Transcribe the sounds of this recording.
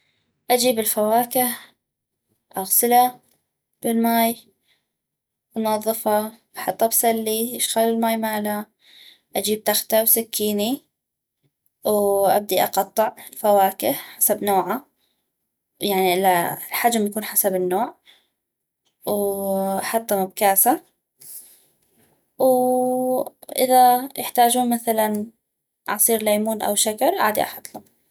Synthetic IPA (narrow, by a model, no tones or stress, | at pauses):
ʔad͡ʒiːbɪlfawaːkɪh | ʔaɣsɪla | b̥ɪlmaːj | ʔɑnɑðˤːɨfɑb̥ɑħɑt̪ˤːɑbsalːiʔɪʃɣalɪlmaːjmaːla | ʔad͡ʒiːb̚t̪axt̪awsɪkːiːni | wʔa̰b̚d̪iʔɑqɑt̪ˤːɨʕɪlfawaːkɪhħasabnoːʕa | jaʕniʔɪlalħad͡ʒmjakuːnħasabɪnːoːʕ | wʔɑħɑt̪ˤːɑmab̚kaːsa | w | ʔɪ̰ðajʔɪħt̪aːd͡ʒuːnmaθalan | ʕɑsˤiːɾlaːmuːnʔa̰wʃaɡɑɾˤʔaːd̪ḭʔɑ̰ħɑt̪ˤlʊm